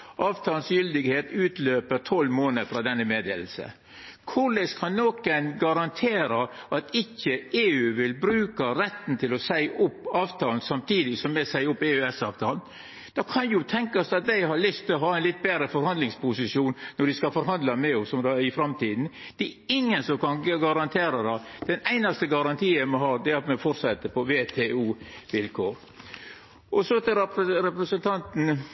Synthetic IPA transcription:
ʔɑːʋt̪ʰɑːlnsjʏld̪ɪɡheːt̪ʉːt̪løːpəɾt̪ʰɔlmoːnəfɾɑːd̪ɛnːəmeːd̪ḛːl̩sə̰ | kʰʊɾlɛskʰɑnːɔkənɡɑɾɑnt̪ʰeːɾəʔɑt̪ɪçːəeːʉːʋɪlbɾʉːkɑɾɛt̪ːn̩t̪ʰɪlɔsæɪʔʊpːɑːʋt̪ʰɑːln̩sɑmt̪ʰiːd̪ɪsɔmmɛsæɪʊpːeːʉːɛsɑːʋt̪ʰɑːln | d̪̥ɑkʰɑnjʊt̪ʰɛŋkɑsɑt̪̚d̪æɪɦɑɾlʏst̪ʰɪlɔɦhɑːɛɪnlɪt̪̚ːbeːɾəfɔɾhɑnd̪lɪŋspʰʊsɪsjuːnnɔɖɪskɑfɔɾɦɑnd̪lɑmɛɔsɔmd̪ɑːɪfɾɑmt̪iːd̪n̩ | d̪̥ɛɪŋːənsɔmkʰɑnɡɑɾɑnt̪ʰeːɾɑd̪ɑd̪̥ɛnæɪnɑst̪əɡɑɾɑnt̪ʰiːəmɔɦɑːd̪ɛɑt̪mɛfɔɾsɛt̪ːəpɔʋeːt̪ʰeːuːʋɪlkʰoːɾ | ʔɔsɔt̪ʰɪɾɛpɾəɾɛpɾəsənt̪ʰɑnt̪n̩

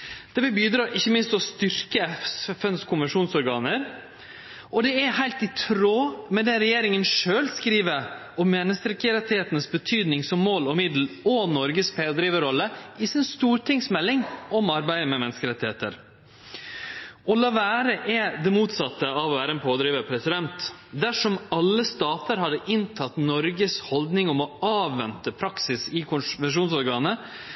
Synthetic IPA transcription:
d̪̥ɛʋɪlbyːd̪ɾɑːʔɪçːəmɪnst̪ɔst̪ʏɾkəsfɛnskʰʊnʋəʂuːnsɔɾɡɑːnəɾ | ɔd̪ɛɛhæɪlt̪ɪt̪ʰɾoːmɛd̪ɛɾɛjeːɾɪŋənʂøːlskɾiːʋə | ɔmːeːnəst̪ɾɛkəɾɛt̪ːɪheːt̪ənəsbət̪ʰyːd̪nɪŋsɔmːoːlɔmɪd̪l̩ɔnɔɾɡəspʰeːd̪ɾiːʋəɾɔlːəɪsɪnst̪uːɾʈʰɪŋsmɛlːɪŋɔmɑɾbæɪəmɛmɛnəskəɾɛt̪ːɪheːt̪ə̰ɾ | ɔlɑːʋæːɾəʔɛd̪ɛmuːt̪sɑt̪ːəɑʋɔʋæːɾəɛnpʰoːd̪ɾiːʋəpʰɾɛsɪd̪ɛnt̪d̪æʂɔmɑlːəst̪ɑːt̪əɾhɑd̪əʔɪnt̪ʰɑt̪nɔɾɡəshɔld̪nɪŋɔmɔɑːʋːɛnt̪əpʰɾɑksɪsɪkʰʊnʋɛʂ̬uːnsɔɾɡɑːnə

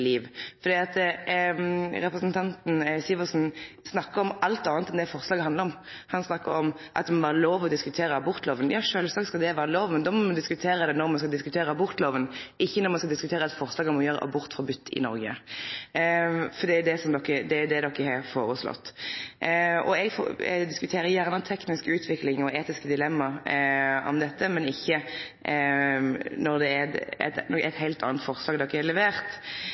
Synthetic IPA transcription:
liːʋfɔʁd̪iːɑt̪ | ɾɛpɾəsnt̪ʰɑnt̪n̩sɪʋəʁsn̩ | snɑkːəɾɔmɑlt̪ɑːnət̪ɛnd̪ɛfɔʁslɑːɡəhɑnd̪əɾɔm | hɑnsnɑkːə̰ɾɔm | ʔɑ̰t̪̚ːmɔʋæːɾəloːʋɔd̪ɪskʉt̪ʰeːɾəɑbʊɾt̪loːʋənjɑːʂøːlsɑːkskɑld̪ɛʋæːɾəloːʋmɛnd̪ɔːmɔmɑd̪ɪskʉt̪ʰeːɾəd̪ɛnɔɾmɑnskɑd̪ɪskʉ̥t̪ʰeːɾəɑbʊɾt̪loːʋənʔɪçːənɔɾmɑnskɑld̪ɪskʉt̪ʰeːɾəɑt̪fɔɾslɑːɡənmɔjøːɾə̰ʔɑ̰bʊɾt̪fʁɑbʏt̪ːɪ̰nɔɾɡə̰ | fɔd̪ɛd̪ɛsɔmd̪ɔkːəd̪ɛd̪ɛd̪ɔkːəhɛɾfoːɾəslɔ̰t̪ː | ɔ̰ɛɡfɔ̰d̪ɪskʉt̪ʰeːɾəjæʁnət̪ʰɛknɪskʉːt̪ʰʋɪklɪŋɔeːt̪ɪskəd̪ɪlɛmːɑ | ɔ̰md̪ɛt̪ːəmɛnɪçːə | nɔɾd̪ɛæɛ̰t̪nɔkːɛt̪hæɪlt̪ɑ̰ːnət̪fɔɾslɑːɡd̪ɔkːəhɛlɛʋeːʁt̪

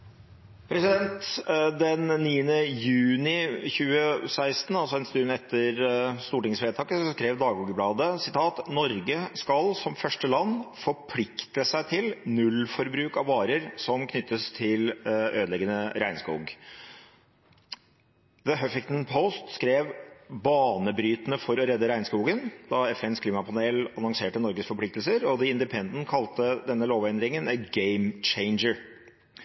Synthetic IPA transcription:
pʰɾɛsɪd̪ɛnt̪d̪ɛnːiːənəjʉːnɪçʉːəsæɪst̪n̩ɑlsɔɛnst̪ʉnɛt̪ʰːəɾst̪uːʈɪŋsfeːt̪ʰɑːkəsɔskɾeːʋd̪ɑːɡuɡəblɑːd̪əsɪt̪ʰɑːt̪nɔɾɡəskɑlsɔmfœʂʈəlɑnːfɔɾpʰlɪkt̪əsæɪt̪ʰɪlnʉlfɔɾbɾʉːkɑʋʋɑːɾəɾsɔmkʰnʏt̪ːəst̪ʰɪløːd̪lɛɡənəɾæɪnskṵːɡ | ðəɦœfɪkt̪npʰɔʊst̪skɾeːʋbɑːnəbɾyːt̪ənəfɔɾɔɾɛd̪ːəɾæɪnskuːɡənd̪ɑɛfɛnskʰliːmɑpʰɑneːlɑnɔŋseːʈənɔɾɡəsfɔpʰlɪkt̪lsəɾɔd̪ɪɪnd̪ɪpʰɛnd̪n̩kʰɑlt̪əd̪ɛnːəloːʋɛnd̪ɾɪŋənəɡeɪmt͡ʃeɪnd͡ʒəɹ

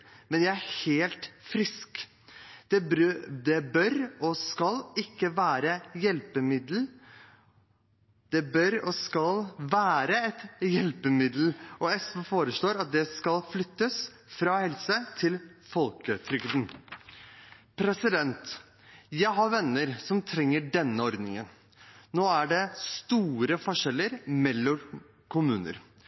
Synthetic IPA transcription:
mɛnjæɪæɾheːlt̪fɾɪsk | d̪̥ɛd̪ɛbœɾɔskɑlɪkːəʋæːɾəjɛlpəmɪd̪l̩ | d̪̥ɛbœɾɔskɑlʋæːɾəɛt̪jɛlpəmɪd̪l̩ɔɛsɔfoːɾəʂloːɾɑt̪̚d̪ɛskɑlflʏt̪ːəs | fɾɑhɛlsət̪ʰɪlfɔlkət̪ʰɾʏkd̪n̩ | pʰɾɛsɪd̪ɛnt̪ | jæɪɦɑɾʋɛnːəɾsɔmt̪ʰɾɛŋːəɖɛnːəɔɾd̪nɪ̰ŋə̰n | noːæɖɛst̪uːɾəfɔʂɛlːəɾmɛlːɔm | kʰʊmʉːnə̰ɾ

